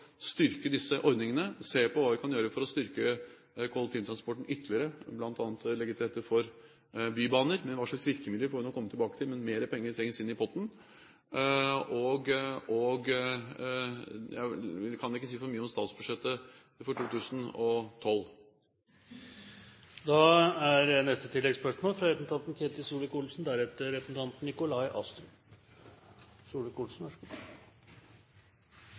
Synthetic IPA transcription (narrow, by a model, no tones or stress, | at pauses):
st̪ʏɾkəd̪ɪsːəʔɔɾd̪nɪŋənəseːpʰɔʋɑːʋɪkʰɑnjøːɾəfɔɾɔst̪ʏɾkə | kʰʊɑlt̪ʰiːnt̪ɾɑnspɔʈːɳ̩ʏt̪ːəlɪəɾəblɑnt̪ɑːnət̪lɛɡət̪ʰɪeːt̪ːəfɔɾ | byːbɑːnəɾmɛnʋɑːʂɑksʋɪɾkəmɪd̪əɾfɔɾɪnɔkʰːɔmːət̪ʰɪbɑːkət̪ʰɪlmɛnmeːɾəpʰɛŋːəɾʈʰɾɛŋːəsɪnːɪpʰɔt̪ːn̩ | ɔɡɔɡ | jæ̰ʋɪkʰɑnɪkːəsiːfɔɾmyːəɔmst̪ɑːt̪sbʉʂɛt̪ːə | fɔʈʰuːt̪ʰʉːsn̩ɔt̪ʰɔl | d̪ɑæɾənɛst̪ət̪ʰɪlːɛɡspœʂmoːlfɾɑɾɛt̪nt̪ʰɑnt̪n̩kʰeːt̪ɪsuːləkulsn̩d̪æɾɛt̪ːəɾɛpəsn̩t̪ʰɑnt̪n̩ɪkʊlɑɪʔɑ̰st̪ɾʉ | suːləkʰuːlsn̩ɔʂ